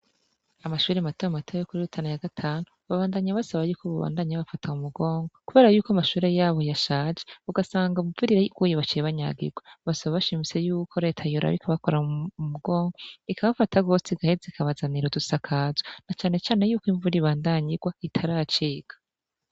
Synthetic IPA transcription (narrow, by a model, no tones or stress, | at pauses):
amaʃuːɾematojamatʰojokuɾiutʰanajaɡatʰaːnuβaβaːndaɲaβasaβajuːkʰoβaβa̰ːndaɲaβafataumuɡo̞ːŋɡo̞kuβe̞ːɾajuːkoamaʃuːɾe̞jaːβo̞jaʃaːd͡ʒeuɡasaːŋɡaumubvuɾiɾajiɡwojeβat͡ʃijeβaɲa̰ɡḭɡwaβasaβaβaʃimit͡se̞juːkʰo̞ɾe̞ːtʰajuɾa̰βḭkʰaβako̞ɾamuɡo̞ːŋɡo̞ikʰaβafataɡo̞ːseɡahezikʰaβazaniɾodusakʰaːzonat͡ʃaːne̞t͡ʃaːne̞juːkwiɱvuɾiβaːndaɲiɡwaitʰaɾaːt͡ʃiːɡ̥ḁ